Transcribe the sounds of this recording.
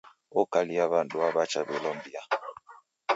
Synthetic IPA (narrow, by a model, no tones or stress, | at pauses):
ɔkaliaβanduaβat͡ʃaβilɔmbia